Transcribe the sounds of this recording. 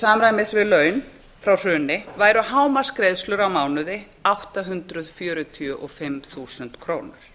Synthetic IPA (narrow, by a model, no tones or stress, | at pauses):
saːmɾajmɪsvɪðlœːɥn | fɾawr̥ʏːnɪvaːjɾʏhaːwmḁskɾejðst̪lʏɾawmaːwnʏðɪ | awht̪aɦʏnt̪ɾʏðfjœːɾʏt̪ʰiʏʔɔfɪmθuːsʏnt̪kʰɾoːwnʏɾ̥